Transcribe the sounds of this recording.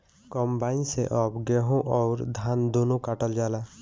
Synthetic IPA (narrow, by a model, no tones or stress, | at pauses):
kɔmbaːɪnsḛʔɔpɡɛɦõʔɔʊɾd̪ʱaːnd̪oːnũkaʈəld͡ʒaːlaː